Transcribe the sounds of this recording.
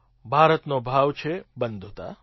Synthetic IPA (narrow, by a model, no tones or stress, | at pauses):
bʱaːɾət̪nobʱaʋt͡ʃʰebənd̪ʱot̪a̰